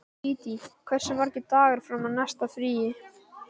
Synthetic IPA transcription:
iːt̪ikʰv̥ɛr̥sɛmaɾ̥cɪt̪aːɣaɾ̥fɾamaðnɛst̪afɾiːjɪ

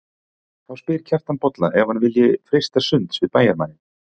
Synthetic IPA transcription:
θawspɪɾ̥cʰɛr̥t̪anpɔt̪la̰ʔɛvanvɪljɪfɾejst̪asʏnt̪svɪðpaːjaɾmaːnɪn

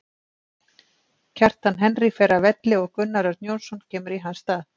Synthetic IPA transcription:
cʰɛr̥t̪hanɦɛnrifɛːɾavɛt̪lɪɔɣkʏnːaɾaɾt̪njownsɔncʰɛːmʏɾiɦanst̪aːð

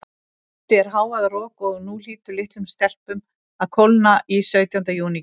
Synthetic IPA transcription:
t̪ɪɛɾ̥ɦaːwaðrɔːkɔɣnul̥iːt̪ʏlɪht̪lʏmst̪ɛr̥pʏm | aðkʰowlnaʔisœːɥt̪jant̪ajuːni

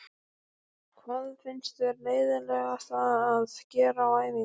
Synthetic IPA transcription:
kʰvaðfɪnst̪vɛɾleːjðɪɾlɛɣḁθaðaðcɛːɾaawaːjvi

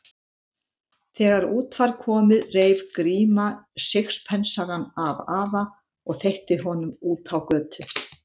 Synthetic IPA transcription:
θɛːɣaɾuːt̪faɾ̥kʰɔːmɪðreːjvkɾiːmasexspʰɛnsaɣanavaːva | ɔɣθejht̪ɪɦɔnʏmuːt̪awkœːt̪ʏ

